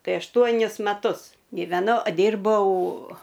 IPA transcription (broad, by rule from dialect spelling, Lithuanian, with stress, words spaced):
ˈtɐɪ ɐʃˈtuɔnʲɪs mɐˈtʊs ˈɡʲiːʋʲɛnɐʊ ˈdʲiːrbɐʊ